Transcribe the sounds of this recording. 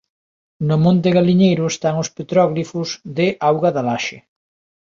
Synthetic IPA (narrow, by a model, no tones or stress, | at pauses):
nʊmõnt̪ɪɣaliɲejɾʊest̪aŋʊspet̪ɾɔɣlifʊzðɪʔawɣaðalaʃɪ